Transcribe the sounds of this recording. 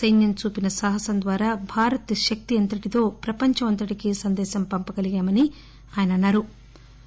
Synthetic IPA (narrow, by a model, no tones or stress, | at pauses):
sɐjnjɐmt͡ʃuːpinɐsaːɦɐsɐnd̪ʋaːɾaːbʱaːɾɐt̪ʃɐk̚t̪iɐnt̪ɐʈit̪o̞ːpɾɐpɐɲt͡ʃɐmɐnt̪ɐʈikisɐnd̪ɛːʃɐmpɐmpɐɡɐliɡaːmɐni | aːjɐnɐnːaːɾu